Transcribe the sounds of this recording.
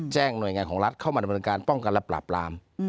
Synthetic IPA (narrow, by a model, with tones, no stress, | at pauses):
t͡ɕɛː˥˩ŋnu˨˩əjŋaː˧nkʰɔː˩˦ŋɾa˦˥t̪̚kʰa˥˩maː˧da˧mn˧ɤː˧ŋkaː˧npɔ˥˩ŋka˧nlɛ˦˥pɾa̰ː˨˩p̚laː˧m